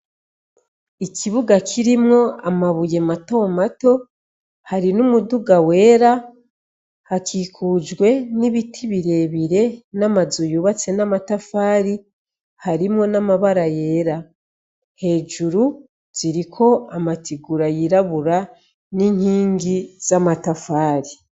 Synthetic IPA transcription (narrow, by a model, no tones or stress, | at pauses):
ikiβuɡakʰiɾimŋo̞amaβuje̞mato̞ːmato̞ | haɾinumuduɡawe̞ːɾa | hakiːkʰud͡ʒɡwe̞niβitʰiβiɾe̞βiɾe̞namazujuβat͡se̞namatafaːɾi | haɾimŋo̞namaβaɾaje̞ɾa | he̞ːʒuɾu | z̥iɾikʰo̞amatiɡuɾajiɾaβuɾa | niːɲ̥hiːŋɡiz̥amatafaːɾi